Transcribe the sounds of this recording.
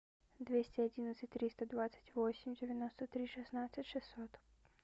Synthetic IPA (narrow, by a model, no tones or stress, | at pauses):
d̪vʲesʲtʲɪɐdʲinət̪sɨtʲt̪ɾʲist̪əd̪vat̪sə̥tʲvosʲɪmʲdʲɪvʲɪnost̪ət̪ɾʲiʂɨsnat̪sɨtʲʂɨsːɔt̪